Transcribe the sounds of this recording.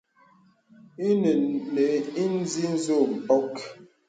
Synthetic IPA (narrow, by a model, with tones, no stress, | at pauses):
i˦n˨ne˨˦i˦n˦zi˦n̩˦zo˦˨m̩˨pɔ˦k